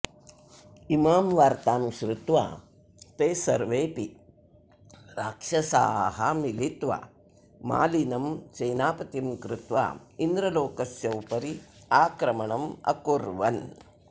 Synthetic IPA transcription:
imaːmʋaːɾt̪aːmʃɾɪt̪ʋa̰ː | t̪eːsɐɾʋeːpi | ɾaːkʂɐsa̰ːɦɐmilit̪ʋa̰ː | ma̰ːlinɐmt͡ʃɐjnaːpɐt̪imkɾɪt̪ʋa̰ːind̪ɾɐloːkɐsjɐwpɐɾi | aːkɾɐmɐɳɐmɐ̰kuɾʋɐn

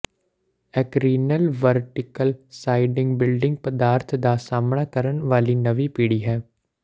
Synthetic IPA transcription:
ɛkɾiːnəlʋəɾʈɪkəlsaːɪɖɪ̃ŋɡbɪlɖɪ̃ŋɡ̚pəd̪aːɾt̪ʰd̪aːsaːmɳaːkəɾəɳʋaːliːnəʋiːpiːɽiːɦɛː

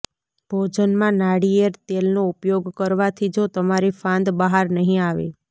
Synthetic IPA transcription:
b̥ʱod͡ʒənmãnaɽieɾt̪elnoupjoɡkəɾʋat̪ʰid͡ʒot̪əmaɾifãnd̪bəɦaɾnəɦĩaʋḛ

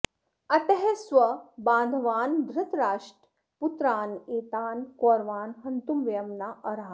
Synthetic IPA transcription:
ɐt̪ɐɦesʋɐbãːnd̪ʱʋaːnd̪ʱɾɪt̪ɾaːʂʈ | put̪ɾaːneːt̪aːnkoːɾʋaːnɦɐnt̪umʋɐjɐmnaʔɐɾɦaː

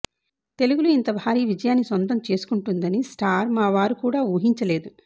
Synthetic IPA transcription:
t̪e̞luɡuluint̪ɐbʱaːɾiːʋid͡ʒɐjaːnːisʋɐnt̪ɐmt͡ʃe̞ːsu̥kuɳʈund̪ɐnisʈaːɾmaːʋaːɾukuːɽaːuːɦiɲt͡ʃɐle̞ːd̪u

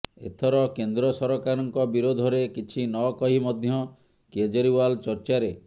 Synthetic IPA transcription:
ḛt̪ʰɔɾɔkend̪ɾɔsɔɾɔkaɾɔŋkɔbiɾod̪ʱɔɾekit͡ʃʰinɔkɔɦimɔd̪ʱjɔ | ked͡ʒɔɾiwalt͡ʃɔɾt͡ʃaɾe

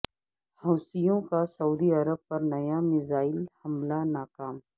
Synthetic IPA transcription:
hɐːsijõkasɐuːd̪iɐɾəb̚pɐɾnɐjamɪzaːɪlhɐmlanaːkaːm

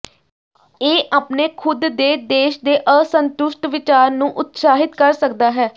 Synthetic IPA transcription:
eːʔaːpneːkʰʊd̪ːeːd̪eːʃd̪eːʔəsənt̪ʊʃʈʋɪt͡ʃaːɾnũːʔʊt̪saːɦɪt̪kəɾsəkd̪aːɦɛː

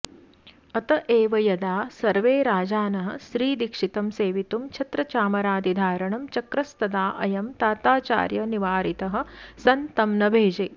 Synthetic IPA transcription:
ɐt̪ɐʔeːʋɐjɐd̪aːsɐɾʋeːɾaːd͡ʒaːnɐɦɐ̆ʃɾiːd̪ikʂit̪ɐmseːʋit̪umt͡ʃʰɐt̪ɾɐt͡ʃaːmɐɾaːd̪id̪ʱaːɾɐɳɐmt͡ʃɐkɾɐst̪ɐd̪aːʔɐ̰jɐmt̪aːt̪aːt͡ʃa̰ːɾjɐniʋaːɾit̪ɐɦɐ̆sɐnt̪ɐmnɐbʱeːd͡ʒeː

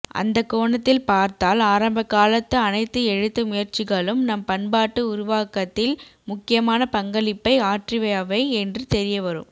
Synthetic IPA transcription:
ʔɐ̰nd̪ɐkːoːɳɐt̪ːɪlpaːɾt̪aːlaːɾɐmbɐkːaːlɐt̪ːɯɐnɐɪt̪ːɯɛɻɯt̪ːɯmʊjɐɾt͡ʃɪɣɐɭɯmnɐmpɐnbaːʈːɯʊɾʊʋaːkɐt̪ːɪlmʊkːɪjɐmaːnɐpɐŋɡɐɭɪpːɐɪaːʈrɪʋɐjaːʋɐɪɛndrɯt̪ɛɾɪjɐʋɐɾɯ̰m

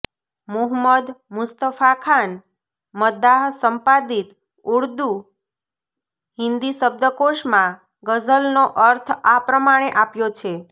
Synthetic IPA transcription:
muɦməd̪mʊst̪əfakʰan | məd̪aɦsəmpad̪it̪ | uɽd̪u | ɦɪnd̪isəb̚d̪əkoʃmã | ɡəd͡ʒəlnoʔəɾt̪ʰapɾəmaɽ̃eʔapjot͡ʃʰe

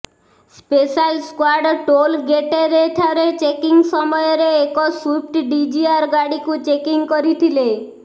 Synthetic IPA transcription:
spesalskwaɾɖʈolɡeʈeɾet̪ʰaɾet͡ʃekiŋsɔmɔjɔɾeekɔswip̚ʈɖid͡ʒiaɾɡaɽikut͡ʃekiŋkɔɾit̪ʰile

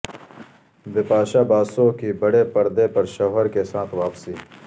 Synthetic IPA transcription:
bɪpaːʃaːbaːsõkibəɽepɐɾd̪epɐɾʃɔːɦəɾkesãːt̪ʰʋaːpsiː

